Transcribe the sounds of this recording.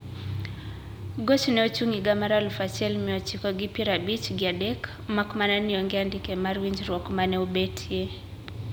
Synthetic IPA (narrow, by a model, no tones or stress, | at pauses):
ɡot͡ʃnɛot͡ʃuŋiɡamaɾalfat͡ʃɛlmiɔt͡ʃikɔɡipiɾabit͡ʃɡɪadɛk | makmananiɔŋɡeandikɛmarwiɲd͡ʒrwɔkmanɛubetʰie